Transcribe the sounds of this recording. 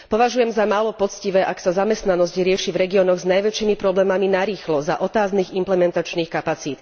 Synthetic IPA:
pɔʋaʒujɛmzamaːlɔpɔt͡sciʋɛːʔaksazamɛst̪nanɔzcɾɪɛʃivɾɛɡiɔnɔɣznajʋɛt͡ʃiːmipɾɔblɛːmaminaɾiːxlɔzaʔɔt̪aːzniːɣimplɛmɛnt̪at͡ʃniːxkapat͡siːt̪

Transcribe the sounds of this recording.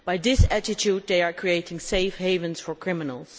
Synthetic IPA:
b̥aɪðɪsætɪtʰuːd̪̚ðeɪaɹkʰɹ̥ieɪtɪ̃ŋseɪfheɪvə̃nsfəɹkʰɹ̥ɪ̃mɪnə̰l̩ˠz̥

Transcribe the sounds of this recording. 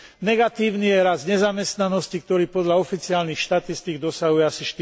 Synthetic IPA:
nɛɡat̪iːʊnijɛɾazɲɛzamɛst̪nanɔscik̚t̪ɔɾiːpɔd̪ʎaɔfit͡siaːlnixʃt̪at̪ist̪iɡd̪ɔsaɦujɛasiʃt̪

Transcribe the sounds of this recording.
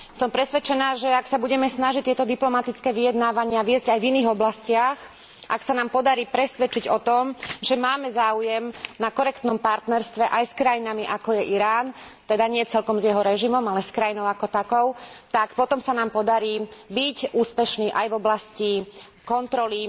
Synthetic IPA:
sɔmpɾɛsʋɛt͡ʃɛnaːʒɛaksabuɟɛmɛsnaʒic̚t̪ɪɛt̪ɔd̪iplɔmat̪it͡skɛːʋijɛd̪naːʋaɲɪaʋiɛzɟajviniːɣɔblascɪax | ʔa̰ksanaːmpɔd̪aɾiːpɾɛsʋɛt͡ʃiɟɔt̪ɔmʒɛmaːmɛzaːujɛmnakɔɾɛkt̪nɔmpaɾt̪nɛɾst̪ʋɛʔajskɾajinamiʔakɔjɛʔiɾaːn | t̪ɛd̪aɲɪɛt͡sɛlkɔmzjɛɦɔɾɛʒimɔmalɛskɾajinɔʊakɔt̪akɔʊt̪akpɔt̪ɔmsanaːmpɔd̪aɾiːbicʔuːspɛʃniːʔajvɔblascikɔnt̪ɾɔli

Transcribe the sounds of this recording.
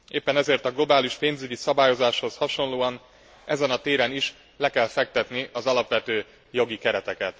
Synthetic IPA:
eːpːɛnɛzeːrt̪ɒɡlo̞baːliʃpeːnzyɟisɒbaːjo̞zaːʃho̞shɒʃo̞nloːɒn | ɛzɛnɒt̪eːɾɛniʃ | lɛkɛlfɛk̚t̪ɛt̪niɒzɒlɒpʋɛt̪øː | jo̞ɡikɛɾɛt̪ɛkɛt̪

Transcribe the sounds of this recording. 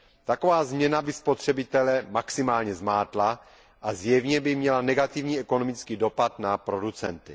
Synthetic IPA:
t̪akovaːzmɲɛnabɪspot̪r̝̥ɛbɪt̪ɛlɛmaksɪmaːlɲɛzmaːt̪la | ʔazjɛvɲɛbɪmɲɛlanɛɡat̪ɪvɲiːʔɛko̞nomɪt͡skiːdo̞pat̪napɾo̞dut͡sɛ̰nt̪ɪ̰

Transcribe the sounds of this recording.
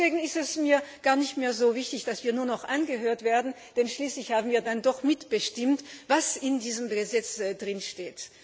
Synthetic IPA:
v̥eːɡŋ̩ɪstɛsmiːɐɡ̥aːɐnɪçtmeːɐzoːvɪçtɪçd̥asv̥iːɐnuːɐnɔχʔanɡəɦøːɐtv̥eːɐdn̩ | d̥ɛnʃliːslɪçhaːbm̩viːɐdandɔχmɪtb̥əʃtɪmtv̥asɪndiːzəməzɛt͡sdʁɪnʃteːt

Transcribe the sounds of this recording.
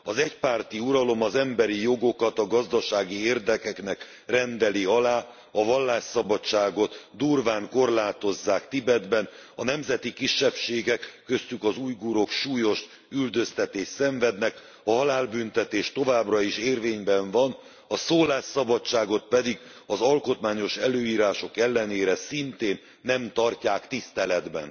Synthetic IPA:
ɒzɛcpaːrt̪iuɾɒlo̞mɒzɛmbɛɾijo̞ɡo̞kɒt̪ɒɡɒzd̪ɒʃaːɡieːrd̪ɛkɛknɛk | rɛnd̪ɛliɒlaː | ɒvɒlːaːʃsɒbɒt͡ʃaːɡo̞t̪d̪uːrvaːŋko̞rlaːt̪o̞zːaːkt̪ibɛd̪bɛnɒnɛmzɛt̪ikiʃːɛpʃeːɡɛkːø̞st̪ykɒzuːjɡuɾo̞kʃuːjo̞ʃ | yld̪ø̞st̪ɛt̪eːʃsɛɱvɛd̪nɛk | ɒɦɒlaːlbynt̪ɛt̪eːʃt̪o̞vaːbrɒiʃeːrveːɲbɛɱvɒn | ɒsoːlaːʃsɒbɒt͡ʃːaːɡo̞t̪̚pɛd̪iɡ | ɒzɒlko̞t̪maːɲo̞ʃɛløːiːɾaːʃo̞kɛlːɛneːɾɛsint̪eːnːɛmt̪ɒrcaːkt̪ist̪ɛlɛd̪bɛ̰n

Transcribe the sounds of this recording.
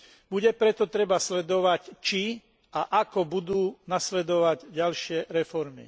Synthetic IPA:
buɟɛpɾɛt̪ɔt̪ɾɛbaslɛd̪ɔʋact͡ʃi | aʔakɔbud̪uːnaslɛd̪ɔʋaɟɟalʃɪɛɾɛfɔɾmḭ

